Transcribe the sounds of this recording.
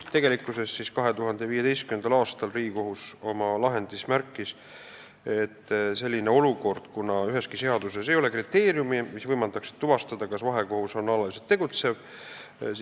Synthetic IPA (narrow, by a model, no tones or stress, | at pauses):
t̪e̞ɡ̥e̞likˑːuse̞st̪ːsiskɑɦe̞t̪uɦɑnd̪̥e̞viːje̞t̪ejst̪̚kymend̪ɑlɑːst̪ɑlriːɡiko̞ɦuso̞mɑlɑɦe̞nd̪̥ismæɾkˑːis | e̞t̪ːse̞lʲːineo̞luko̞rd̪̥kunɑyɦe̞skise̞ɑd̪use̞se̞jo̞le̞krit̪ːe̞ːɾjumimisvɤjmɑnt̪ɑksi̥d̪t̪uvɑst̪ɑd̪̥ɑkɑsvɑɦe̞ko̞huso̞nɑlɑliset̪ːe̞ɡ̥ut̪se̞v